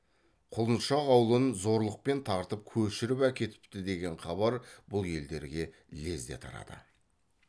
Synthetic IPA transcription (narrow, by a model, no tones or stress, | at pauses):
qʰolˠənʃɑʁɑwlˠənzo̞ɾlˠəq̚pe̞nt̪ʰɑɾt̪əp̚kʲʰɵʃɪɾɪpækʲe̞t̪ɪ̥p̚t̪ɪd̪e̞ɡʲe̞ɴχɑβɑɾbʊlˠje̞ld̪e̞ɾɡʲe̞ | le̞zd̪e̞̰t̪ʰɑ̰ɾɑ̰d̪ə̰